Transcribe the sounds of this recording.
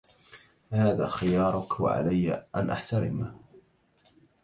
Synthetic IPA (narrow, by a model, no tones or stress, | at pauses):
haːða̰ːxɪjɑːɾˤʊkwa̰ʕa̰lajːaʔanʔaħt̪aɾɪ̰ma